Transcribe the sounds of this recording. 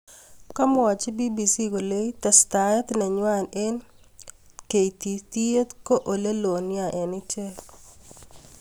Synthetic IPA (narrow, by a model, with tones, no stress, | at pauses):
ka˦mɔ˨wa˨t͡ʃe˦bi˦bi˨si˦ko˨le˦i˦t̪a˨st̪a˨ɛ˦t̪na˨ɲwa˦˨ne˦n | ke˨it̪i˨t̪i˦e˦t̪ko˦ʔo˨le˦lo˨nja˨ʔɛ˨nɪ˦t͡ʃe˦